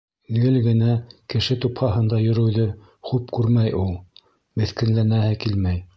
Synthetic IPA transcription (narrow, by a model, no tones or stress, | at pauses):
lɡɘlɡɘ̆nækɘ̆ʃɘt̪uphɑɦɤ̆nd̪ɑjɵ̆ɾɵ̆wðɘ | χupkʉɾmæjʔulˠ | mɘ̆θkɘ̆nlænæhɘkilmæj